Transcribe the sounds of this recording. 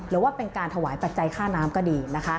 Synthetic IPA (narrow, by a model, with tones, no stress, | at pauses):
ɾɯː˩˦waː˥˩pe˧nkaː˧nt̪ʰa˧wa̰ː˩˦jpa˨˧t̪̚t͡ɕa˧jkʰaː˥˩naː˦˥mkɔː˥˩diː˧na˦˥kʰa˦˥